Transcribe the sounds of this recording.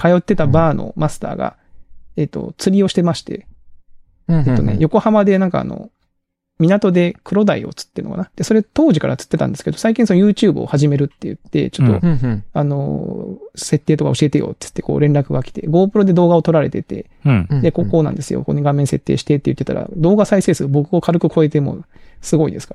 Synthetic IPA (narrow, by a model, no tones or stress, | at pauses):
kajo̞t̪ːe̞t̪abaːno̞̰masɨ̥t̪a̰ːɡa̰ | et̪ːo̞̰t͡sɨɾʲio̞ɕi̥t̪e̞maɕi̥t̪e̞̰ | et̪ːo̞ne̞̰jo̞ko̞hamad̪e̞nãŋka̰a̰no̞̰ | mʲinat̪o̞d̪e̞kɯ̟ɾo̞d̪aio̞̰t͡sɨ̥t̪ːeɾɯnokanad̪̥e̞so̞ɾe̞t̪o̞ːʑikaɾat͡sɨ̥t̪ːe̞t̪ã̰nd̪e̞sɨ̥ked̪osaik̬ʲĩsonojɯːt͡ɕɨːbɯ̟o̰haʑime̞ɾɯ̟t̪ːejɯ̟̰t̪ːe̞̰t͡ɕo̞t̪ːo̞̰ano̞̰ | se̞t̪ːeːt̪o̞ka̰o̞ɕie̞t̪e̞jo̰ːt̪ːɨ̥t̪ːe̞ko̞̰ːɾẽ̞nɾakɯ̟ɡakʲi̥t̪e̞̰ɡo̞ːpɯ̟ɾo̞d̪e̞d̪o̞ːɡaot̪o̞ɾaɾe̞̰t̪e̞t̪e̞̰ | d̪e̞koko̞ːnã̰nd̪e̞sɨjo̰ko̰ɲːiɡãmːẽ̞se̞t̪ːe̞ːɕi̥t̪e̞t̪ːejɯ̟t̪ːet̪a̰ɾa̰d̪o̞ːɡasaise̞ːsɨobo̞kɯɡokʰaɾɯkɯ̟kʰo̞e̞t̪̬e̞mo̞̰sɨɡo̞ḭd̪e̞sɨ̥ka